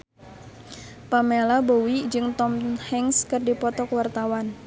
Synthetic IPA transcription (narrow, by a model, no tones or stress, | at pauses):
pamelabowid͡ʒɨŋt̪ɔmhɛŋskɨrdipɔt̪ɔkwart̪awan